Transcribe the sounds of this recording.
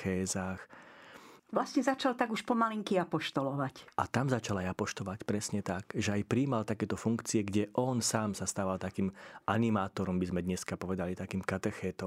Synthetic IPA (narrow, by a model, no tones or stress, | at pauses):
ɛːzaːx | ʋlasɲɛzat͡ʃalt̪aɡuʃpɔmaliŋkiapɔʃt̪ɔlɔʋaca̰t̪amzat͡ʃalajapɔʃt̪ɔʋacpɾɛsɲɛt̪aɡʒɛajpɾiːmalt̪akɛːt̪ɔfuŋkt͡siɛɡɟɛʔɔnsaːmsast̪aːʋalt̪akiːmʔanimaːt̪ɔɾɔmbizmɛd̪ɲɛskapɔʋɛd̪alit̪akiːmkat̪ɛxɛːt̪ɔ